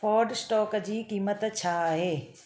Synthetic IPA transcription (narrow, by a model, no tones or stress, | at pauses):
fɔːɾɖsʈɔːkd͡ʑiːkiːmət̪t͡ɕʰaaːɦeː